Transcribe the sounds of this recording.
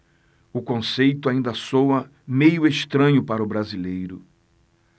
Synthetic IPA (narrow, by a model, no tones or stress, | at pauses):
ʊkõsejt̪ʊaĩnd̪ɐsowɐ | mejʊeʃt̪ɾɐ̃ɲʊpaɾɐʊbɾazilejɾʊ̰